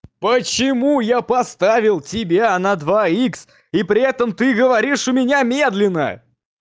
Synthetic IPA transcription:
pət͡ɕɪmujapɐst̪avʲɪlˠtʲɪbʲanɐd̪vaiks | ipɾʲɪɛt̪əmt̪ɨɡəvɐɾʲiʂʊmʲɪnʲamʲe̞d̪lʲɪnːə̰

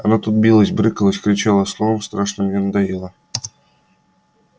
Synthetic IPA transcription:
ɑ̰nɑt̪ut̪̚bʲilˠɤsʲbɾʲɘkʲlˠɤsʲkrʲit͡ɕɑlˠɑslˠoʋɤ̆mst̪rɑʂnɤ̆ɡʲenʲnd̪ɑjɯlˠɑ

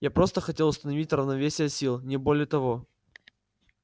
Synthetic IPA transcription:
japɾo̞st̪əxɐtʲe̞lˠʊst̪ənɐvʲitʲrəvnɐvʲesʲɪjəsʲilˠnʲɪbo̞lʲɪjət̪ɐvo

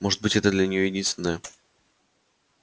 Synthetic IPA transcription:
moʐɨt̪̚bɨtʲɛt̪əd̪lʲɐnʲɪjo̞jɪdʲinst̪ʲɪnəjə

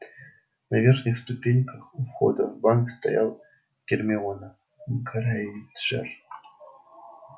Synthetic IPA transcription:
nɐvʲe̞rxnʲɪxst̪ʊpʲenʲkəxʊfxo̞̰d̪əvbankst̪ɐ̰ja̰lˠ | ɡ̥ʲɪrmʲɪonə | mkʰəɾait̪ʐɛ̰r

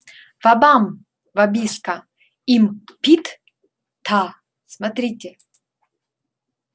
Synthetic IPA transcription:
vabam | vabʲiskɐ | impʲit̪ | t̪ʰa | smat̪ɾʲitʲɛ

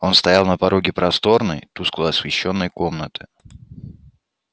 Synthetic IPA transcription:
o̞nst̪ɐjalˠnəpɐɾʔo̞ɡʲɪpɾɐst̪o̞rnə̰jt̪usklˠəɐsvʲɪɕːo̞nːəjko̞mnət̪ɨ̥

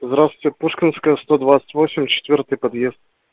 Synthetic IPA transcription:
vzd̪ɾat̪vʲɪtʲɪpuʂkʲɪnskəjəst̪od̪vat̪sə̥tʲvosʲɪmʲt͡ɕɪ̥t̪vʲort̪ɨjpɐd̪jezt̪̚

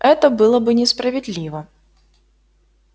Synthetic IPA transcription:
ɛt̪ɐbɨlˠɔbɨnʲɛspɾɐvʲɛd̪ʲlʲiʋɐ

